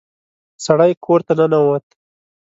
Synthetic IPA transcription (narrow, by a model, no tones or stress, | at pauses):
saɽajkʰoɾt̪ananawət̪